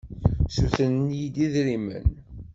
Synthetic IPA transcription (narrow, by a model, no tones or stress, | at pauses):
suθənnjid̪iðɾimə̰n